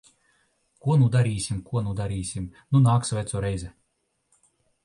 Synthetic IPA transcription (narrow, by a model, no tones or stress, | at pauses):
kuɔnud̪aɾiːsʲimkuɔnud̪aɾiːsʲimnunaːksvʲæt̪suɔɾɛjzʲɛ